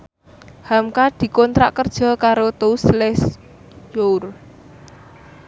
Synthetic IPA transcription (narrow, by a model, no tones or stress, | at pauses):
hamkad̪̥i̤kɔnt̪ɾaʔkərd̥ʒ̥ɔ̤kaɾot̪ouslɛs | jour